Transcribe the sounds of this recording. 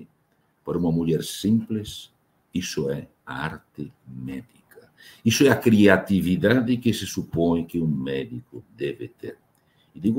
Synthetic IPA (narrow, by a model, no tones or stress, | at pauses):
paɾuŋamuʎɛɾsimples | isoɛ | aaɾt̪emɛdika | isoɛakɾeat̪iviðaðɪkesesupɔɲikeuŋmɛd̪ikʊd̪ɛvet̪ɛɾ | id̪iɣ